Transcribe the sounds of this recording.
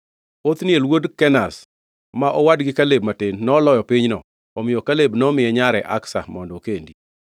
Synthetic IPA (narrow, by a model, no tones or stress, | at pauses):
ot̪nɪelwodkɛnas | maʔɔwadɡɪkaleb̚matenːɔlɔjɔpɪɲnɔ | ɔmɪjɔkalebnɔmɪjɛɲaɾɛʔa̰ksa̰mɔndɔkendi